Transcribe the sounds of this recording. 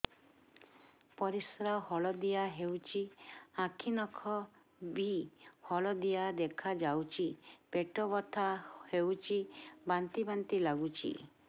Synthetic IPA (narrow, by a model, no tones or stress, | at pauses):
pɔɾisɾahɔɭɔd̪ijaɦewt͡ʃʰiãkʰinɔkʰɔ | bʱihɔlɔd̪ijad̪ekʰad͡ʒawt͡ʃʰipeʈɔbɔt̪ʰahewt͡ʃʰibant̪ibant̪ilaɡut͡ʃʰḭ